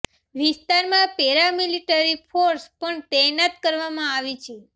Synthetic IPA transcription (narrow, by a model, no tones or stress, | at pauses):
ʋist̪aɾmãpɛɾamiliʈəɾifʰoɾspəɳt̪ɛnat̪kəɾʋamãaʋit͡ʃʰe